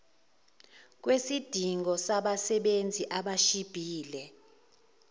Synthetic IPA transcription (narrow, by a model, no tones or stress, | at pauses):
k̬wesid̥ʱiŋɡɔsaɓasɛɓend͡zʱiʔaɓaʃib̥ʱiːlɛ